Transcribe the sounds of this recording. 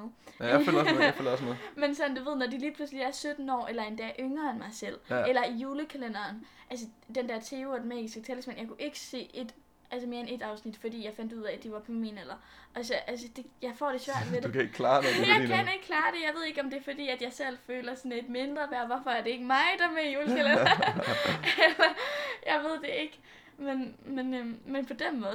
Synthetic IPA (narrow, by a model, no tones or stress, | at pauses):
følɒsmeðˠmensɒ̽nn̩d̥uʋe̝ð̞̰ˠnɒd̥iliːpʰlusliæɐsød̥n̩ɒ̰ːʔelɐe̝nd̥ɛ̰ːʔøŋɐenmɑ̈ɪsel̰elɐijuːləkʰælenɐːnʔælsə | d̥end̥æɐ̰t͡sʰe̝ːuɒd̥enmɛ̰ːɡ̥isɡ̥ət͡sʰeləsmæn̰jɑkʰuʔe̝ɡ̥ə̥se̝̰ːe̝d̥ | ʔælsəme̝ːɐene̝d̥ɑ̈ʊsnid̥fɒ̽d̥ḭːjɑ̈ɪfæn̰d̥uð̞̰ˠɛd̥iʋɑ̈pʰɒminel̰ɐ | ʔɒsɒʔælsəd̥e̝jɑ̈ɪfɒ̰ːd̥e̝sʋæɐ̰d̥ʋed̥ekʰeɡ̥kʰlɑːdejjɑ̈ɪkʰæne̝ɡ̥əkʰlɑ̈ːd̥e̝jɑ̈ɪʋe̝ð̞̰ˠe̝ɡ̥ɒ̽md̥e̝fɒ̽d̥ḭːæd̥jɑ̈ɪsel̰føːlɐsɒned̥me̝nd̥ʁɐʋæɐʋɒfɒ̽æɐd̥ee̝ɡ̥əmɑ̈ɪd̥ɑmejuːləkʰælenɐ | elɐjɑɪʋe̝ð̞̰ˠd̥e̝e̝ɡ̥ | menmenømmenpʰɒ̽d̥enmɔ̽ːð̩ˠ